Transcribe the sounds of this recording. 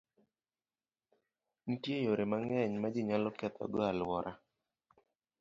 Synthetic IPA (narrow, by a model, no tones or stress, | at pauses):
n̩tjejoɾemaŋɛɲmad͡ʒɪɲalɔkɛt̪ɔ̰ɡɔalwɔɾa